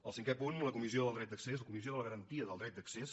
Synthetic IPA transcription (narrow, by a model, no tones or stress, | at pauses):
əlˠsiŋkepunləkumizioðəlˠd̪ɾɛt̪̚d̪əksezləkumizioðələɣəɾənt̪iəðəlˠd̪ɾɛt̪̚əkses